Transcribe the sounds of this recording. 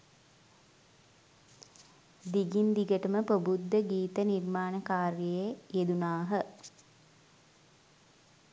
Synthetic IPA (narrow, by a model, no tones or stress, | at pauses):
d̪iɡind̪iɡəʈəməpəbud̪ːəɡiːt̪ənirmaːnəkaːɾjəjejed̪unaːɦə